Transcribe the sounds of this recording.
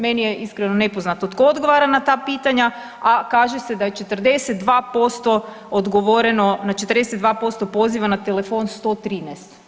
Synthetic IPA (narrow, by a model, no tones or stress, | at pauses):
menijeʔiskɾenone̞po̞znat̪ot̪kood̪ɡo̞ʋaɾanat̪aːpiːt̪aɲa | akaːʒesed̪aje̞t͡ʃe̞t̪ərd̪eset̪d̪ʋaːpo̞st̪o̞ | od̪ɡo̞ʋoɾeno̞nat͡ʃet̪ɾd̪esed̪ʋaːpo̞st̪o̞po̞ziʋanat̪elefo̞nst̪o̞t̪ɾiːnɛst̪